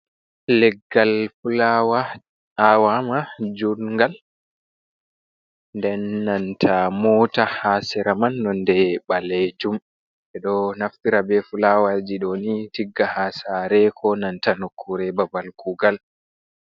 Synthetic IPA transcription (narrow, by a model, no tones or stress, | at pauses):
lɛɡːalfulawa | awamad͡ʒuɾŋɡal | ndɛnːantʰamɔːtahasɛɾamanːɔndɛɓaled͡ʒum | ɛɗɔnaftiɾabɛfulawad͡ʒiɗɔnitiɡːahasaɾɛkʰɔnantanokʰːuɾɛbabalkʰuɡal